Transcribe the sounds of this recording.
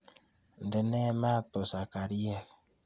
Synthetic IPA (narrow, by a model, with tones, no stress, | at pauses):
n̩˨de˨ne˦ma˦to˨sa˨ka˨ɾi˦e˨k